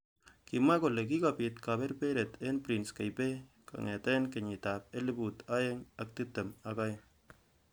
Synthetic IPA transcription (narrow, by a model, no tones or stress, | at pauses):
kimakolek̬ikapitkapɛɾpeɾɛtʰɛnpɾinskejpe | ka̰ŋɛtɛnkeɲitap̚elibutajeŋak̚tɨtemakaj